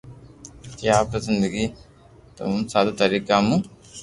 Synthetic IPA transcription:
t̪jaːpɐsind̪iki | t̪ɐ̰mumsaːd̪ɐt̪ɐɾikaːmu

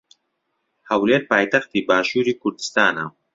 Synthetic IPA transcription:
hɐwleːɾpaːjt̪ɐxt̪ibaːʃuːɾiːkʊɾd̪i̥st̪aːna

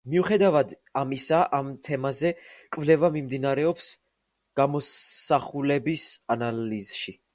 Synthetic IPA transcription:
miuχɛd̪avad̪ | amisaʔamt̪ʰɛmazɛkʼvlɛvamimd̪inaɾɛɔps | ɡ̥amɔssaχulɛbisanaliz̥ʃi

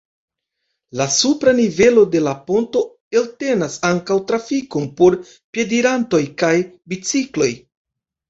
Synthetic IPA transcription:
lasupɾanive̞lo̞de̞lapo̞nto̞ | e̞lte̞nasaŋkawtɾafiko̞npo̞ɾ | pje̞diɾanto̞jkajbit͡siklo̞j

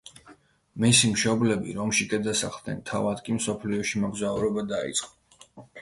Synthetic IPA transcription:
misimʃɔblɛbḭɾɔmʃikʼɛd̪asaχlˠd̪nɛ̰nt̪ʰavad̪kʼimsɔpʰliɔʃimɔɡzauɾɔbad̪aḭt̪sʼqʼɔ

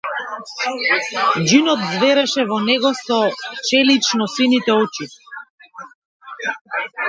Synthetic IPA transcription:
d͡ʒinɔt̪zvɛɾɛʃɛvɔnɛɡɔsɔt͡ʃɛlit͡ʃnɔsinit̪ɛɔt͡ʃi

